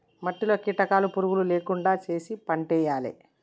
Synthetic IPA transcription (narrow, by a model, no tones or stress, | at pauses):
mɐʈːiloːkiʈɐkaːlupuɾuɡululeːkuɳɖaːt͡ʃe̞ːsipɐɳʈɛːjaːlḭ